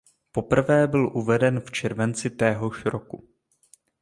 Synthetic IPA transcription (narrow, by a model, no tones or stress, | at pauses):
po̞pr̩vɛːbɪlʔuvɛdɛnft͡ʃɛɾvɛnt͡sɪt̪ɛːɦo̞ʃɾoku